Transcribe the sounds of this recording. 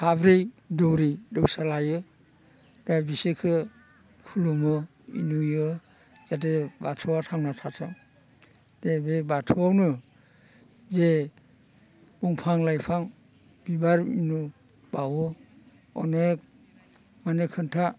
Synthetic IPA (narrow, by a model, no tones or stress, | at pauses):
abɾej | dɔwɾidɯwsalajɯ | dabisekʰɯ | kʰulumɯ | ḭnujɯ | zat̬ebatʰɔwatʰaŋnatʰatʰɯ | d̥ebebatʰɔwawnɯ | ze | b̥ɔŋpʰaŋlajpʰaŋ | b̥ibaɾḭnu | bawɯ | ɔnek̚ | manekʰɯntʰa